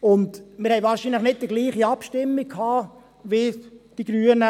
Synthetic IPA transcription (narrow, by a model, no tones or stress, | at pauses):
ʊndmɪɾhɛɪvɑːɾʃinləχnɪt̚dəɡliːχiɑpʃtɪmːikʰhɑː | ʋɪd̥iɡ̥ɾyːənə